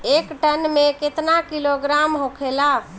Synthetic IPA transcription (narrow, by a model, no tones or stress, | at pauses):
ekʈənmeket̪nakiloɡɾamɦokʰela